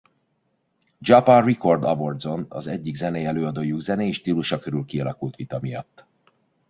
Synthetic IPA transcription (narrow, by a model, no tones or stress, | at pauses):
d͡ʒɒpariko̞rd̪ɒvo̞rd̪zo̞nɒ̰zɛɟːiɡzɛnɛjɛløːɒd̪oːjuɡzɛneeːʃt̪iːluʃɒkøɾylkiɒlɒkult̪ʋit̪ɒmijɒ̰t̪ː